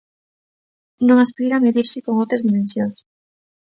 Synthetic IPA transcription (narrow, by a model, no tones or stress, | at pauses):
nõŋaspiɾaːmeðiɾsɪkoŋowt̪ɾazðimẽnsjõŋs